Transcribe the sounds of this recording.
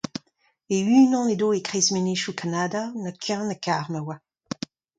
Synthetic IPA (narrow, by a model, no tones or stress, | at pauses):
eyːnɑ̃ned̪oːekʁezmeneʃukʰanadanəkʰɛ̃nəkaʁmawa